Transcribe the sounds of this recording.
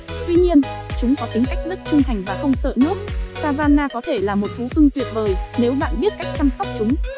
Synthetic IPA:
t̪wi˧ɲi˧ənt͡ɕʊ˨˦ŋ͡mkɔ˨˦t̪ï˨˦ŋ̟ka˦˥jk̟̚zɨ˦˥t̚t͡ɕi˧ŋt̪ʰa˨˩jŋ̟vaː˨˩xə˧wŋ͡msə̰ː˧˨nɨ˦˥ək̚saː˧vaː˧nːaː˧kɔ˨˦t̪ʰe˧˩laː˨˩mo˨˩t̚fu˨˦fɨ˧ŋt̪wḭ˧˨ənvəː˨˩jne˨˦wɓa̰ː˧˨nɓi˦˥ət̚ka˦˥jk̟̚t͡ɕa˧msɔ˦˥wk͡p̚t͡ɕʊ˨˦ŋ͡m

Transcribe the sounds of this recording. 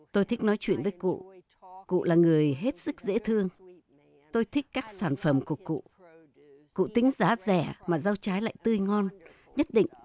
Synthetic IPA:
t̪o˧jt̪ʰi˦˥k̟̚nɔ˨˦jt͡ɕwḭ˧˨ənvə˨˦jkṵ˧˨ | kṵ˧˨laː˨˩ŋɨ˨˩əjɦe˦˥t̚sɨ˦˥k̚zḛ˧˥t̪ʰɨ˧əŋ | t̪o˧jt̪ʰi˦˥k̟kːaː˦˥k̚saː˧˩nfə˨˩mku˧˩əkṵ˧˨ | kṵ˧˨t̪ï˨˦ŋ̟zaː˨˦zɛ˧˩maː˨˩zaː˧wt͡ɕaː˨˦jla̰ː˧˨jt̪ɨ˧jŋɔ˧n | ɲə˦˥t̚ɗḭ̈˧˨ŋ̟

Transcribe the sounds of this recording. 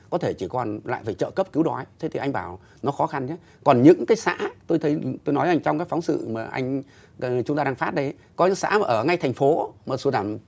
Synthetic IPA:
kɔ˨˦t̪ʰe˧˩t͡ɕi˧˩kɔ˨˩nla̰ː˧˨jfaː˧˩jt͡ɕə̰ː˧˨kə˦˥p̚ki˨˦wɗɔ˨˦jt̪ʰe˨˦t̪ʰi˨˩ʔjŋ̟ɓaː˧˩w | nɔ˨˦xɔ˨˦xa˧nt͡ɕa˨˦ | kɔ˨˩nɲɨ̰˧˥ŋkaː˨˦jsa̰ː˧˥t̪o˧jt̪ʰə˨˦jt̪o˧jnɔ˨˦jʔa˧jŋ̟t͡ɕɔ˧wŋ͡mkaː˨˦jfɔ˨˦wŋ͡msɨ̰˧˨maː˨˩ʔa̰˧jŋ̟˨ | t͡ɕʊ˨˦ŋ͡mt̪aː˧ɗaː˧ŋfaː˦˥t̚ɗə˨˦j | kɔ˨˦ɲɨ̰˧˥ŋsa̰ː˧˥maː˨˩ʔəː˧˩ŋa˧jt̪ʰɛ˨˩ŋ̟fo˨˦maː˨˩su˧˩ɗaː˧˩m

